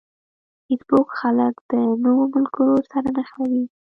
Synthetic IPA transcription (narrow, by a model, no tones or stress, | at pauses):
itbokxaləkd̪̥ənowomʊlkoɾoɾsaɾanaxawi